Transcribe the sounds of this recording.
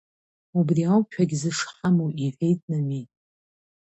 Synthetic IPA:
ubriawkʲʷᶣʰaɡʲzɨʂħamowʔiħʲʷᶣejtʼnamitʼ

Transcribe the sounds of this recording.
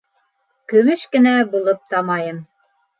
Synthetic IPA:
kɵ̆mɵʃkɘ̆næbulˠɤp̚t̪ɑmɑjɤm

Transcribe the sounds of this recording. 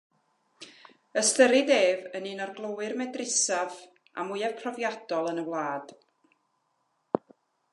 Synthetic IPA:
əstəɾideːvənɨːnɔrɡlˠowɨrmɛdrɪsav | a̰mʊjɛv̥pʰrɔvjad̥ɔlˠənəwlˠaːd̥

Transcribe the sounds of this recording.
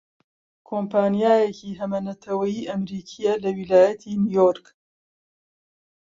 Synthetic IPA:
kʰompʰaːnijaːjeciːɦɐmɐnɐt̪ʰɐwɐjiːʔɐmɾiːkʰijɛlɐwilaːjɐt̪ʰinijoɾk

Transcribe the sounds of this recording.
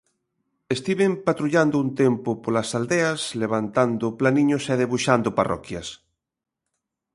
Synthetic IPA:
est̪iβempat̪ɾuʎand̪ʊunt̪empʊpolasald̪easleβ̞ant̪and̪ʊplanĩɲoseðeβuʃand̪ʊparɔ̰kjas

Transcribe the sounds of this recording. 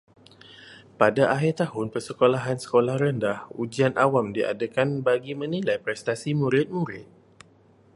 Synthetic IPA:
padaʔaɦirt̪ahʊnpərsəkolaɦansə̥kolahrəndahud͡ʒianʔawamdiʔa̰dəkanbaɡimə̃nilajpɾɛst̪asimũɾɪt̪̚muɾɪ̰t̪̚

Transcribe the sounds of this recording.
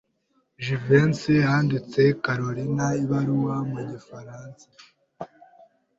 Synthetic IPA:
ʒivensihaːndit͡se̞kaɾoɾinaiβaɾuwamuɟifaɾaːnsḁ

